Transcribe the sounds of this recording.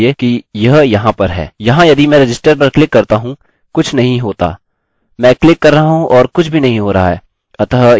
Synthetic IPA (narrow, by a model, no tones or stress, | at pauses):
ekijɐɦjɐɦãpɐɾɦɛ̰ːjɐɦãjɐd̪imɛ̃ːɾed͡ʒɪsʈəɾp̬ɐɾklɪkːɐɾt̪aɦũ | kʊt͡ʃʰnɐɦĩɦoːt̪a̰ː | mɛ̃ːklɪkːɐɾːɐɦaɦũʔɔːɾkʊt͡ʃʰbʱinɐɦĩɦoːɾɐa̰ɦɛː | ɐt̪ɦ